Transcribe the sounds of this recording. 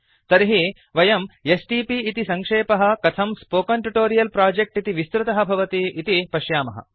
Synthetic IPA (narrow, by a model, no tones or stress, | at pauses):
t̪ɐɾɦi | ʋɐjɐmesʈiːpiːt̪isɐŋkʂeːpɐɦɐ̆kɐt̪ʰɐmspoːkɐɳʈuʈoːɾijɐlpɾaːd͡ʒek̚ʈit̪iʋist̪ɾɐt̪ɐɦɐbʱɐʋɐt̪iʔːt̪ipɐʃjaːmɐɦɐ̰